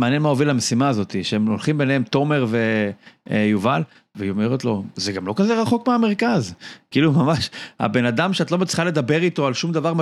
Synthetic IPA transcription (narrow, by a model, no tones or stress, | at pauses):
maːnjenmaovilamesimaːzo̞t̪iʃeemolχimbe̞nehemt̪o̞me̞ʁve̞ | juval | veome̞ʁot̪lo̞zeɡamlo̞kaze̞ʁaχo̞kmeame̞ʁkazkiilumamaʃha̰be̞nad̪amʃeat̪lo̞met͡si̥χale̞d̪abe̞ʁit̪o̞alʃumd̪avaʁm